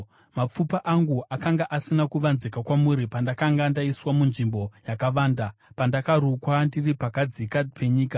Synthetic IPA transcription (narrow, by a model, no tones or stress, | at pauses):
map͡fupaʔaŋɡuʔakaŋɡaʔasinakuʋanzikakwamuɾipandakaŋɡandaiswamunʐimbo̞jakaʋaːndapandakarukwandiripakad͡zikapʰe̞ɲiːka